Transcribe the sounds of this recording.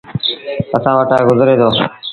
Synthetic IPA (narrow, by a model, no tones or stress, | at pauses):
əsãːʋəʈaːeɡʊzɾeːd̪ʰoː